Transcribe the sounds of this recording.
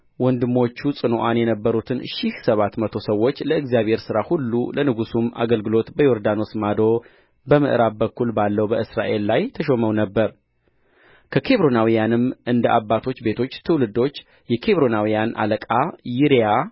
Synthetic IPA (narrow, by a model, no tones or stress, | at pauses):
wɔnd̪ɨmo̞t͡ʃːusʼɨnoʔanjɛnəbːəɾut̪ʰɨnʃihsəβat̪mət̪ʰo̞səwːo̞t͡ʃːləɨɡzjaβhe̞ɾsɨɾahulːṵlənɨɡusuma̰ɡəlɡɨlo̞t̪bəjo̞ɾd̪ano̞smad̪o̞ | bəmɨʔɨɾabbəkːulbalːəwbəɨsɾa̰ʔe̞lːajt̪ʰəʃo̞məwnəbːəɾ | kʰəkʰe̞βɾo̞nawijanɨmʔɨnd̪əʔabːat̪ʰo̞t͡ʃːbe̞t̪ʰo̞t͡ʃːt̪ʰɨwlɨd̪o̞t͡ʃː | jɛkʰe̞βɾo̞nawijanʔa̰ləkʼajiɾja